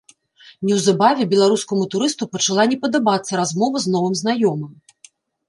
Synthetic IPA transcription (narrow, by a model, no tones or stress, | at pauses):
nʲɛwzabavʲɛbʲɛlˠaɾuskɐmut̪uɾɨst̪upɐt͡ʂalˠanʲɛpɐd̪abat̪sːɐɾazmɔvɐznɔvɨmznajɔmɨm